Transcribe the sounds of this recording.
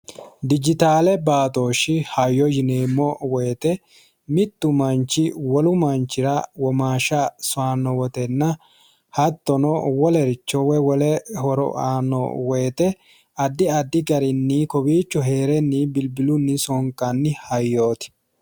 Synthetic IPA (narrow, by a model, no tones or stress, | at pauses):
d̪ɪd͡ʒɪt̪aːlɛbaːt̪o̞ːʃɪhɐjːɔjɪneːmːɔwɛːt̪ɛ | mɪt̪ːʊmɐnt͡ʃːɪwɔlʊmɐnt͡ʃːɪɾɐwɔmaːʃɐsʊaːnːɔwɔt̪ɛnːɐ | hɐt̪ːɔnɔwɔlɛɾɪt͡ʃːɔwɛwɔlɛhɔɾɔ̰ʔaːnːɔ̰weːt̪ɛ | ɐd̪ːɪɐd̪ːɪɡɐɾɪnːiːkɔbiːt͡ʃːɔɦe̞ːɾɛnːibɪlbɪlʊnːɪsɔŋkɐnːɪhɐjːoːt̪ɪ̥